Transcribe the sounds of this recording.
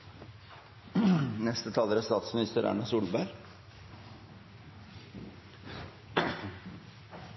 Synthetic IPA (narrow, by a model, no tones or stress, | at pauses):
nɛst̪ət̪ʰɑːləɾæst̪ɑːt̪smɪnɪst̪əɾʔæ̰ːɳɑsuːlbæɾ